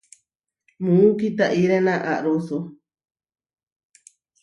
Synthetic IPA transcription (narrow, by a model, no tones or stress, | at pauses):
mũukit̪aʔiɾenãʔaʔɾusu